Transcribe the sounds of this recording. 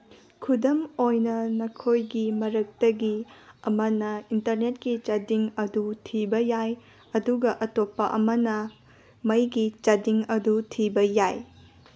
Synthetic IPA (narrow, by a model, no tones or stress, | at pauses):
kʰudɐmojnɐnɐkʰojɡimɐɾɐk̚tɐɡiɐmɐnɐintɐɾnet̚kit͡ʃɐdiŋɐdutʰibɐjaj | ɐduɡɐʔɐtopːɐʔɐ̰mɐnɐ | mɐjɡit͡ʃɐdiŋɐdutʰibɐjaj